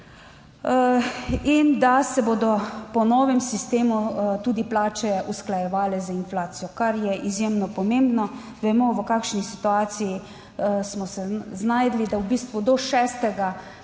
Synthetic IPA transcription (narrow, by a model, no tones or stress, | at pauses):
ind̪asɛboːd̪ɔpɔnɔːʋɛmsist̪eːmut̪uːd̪iplaːt͡ʃɛusklajɛʋaːlɛzainflaːt̪sijɔkaɾjɛʔizjemnɔpɔmeːmbnɔ | ʋɛmɔʋəkaːkʃnisit̪uaːt̪siji | smɔsɛznajd̪lid̪awbiːst̪ʋud̪ɔʃɛːst̪ɛɡa